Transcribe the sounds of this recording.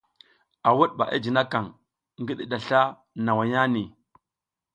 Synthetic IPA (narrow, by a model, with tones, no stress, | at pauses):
a˨wu˦ɗ̚ɓa̰˨ʔa̰˦d͡ʒi˨na˦ka˨ŋ | ŋɡi˦ɗi˦ɗa˨ɬa˦ | na˨wa˨ja˦ni˨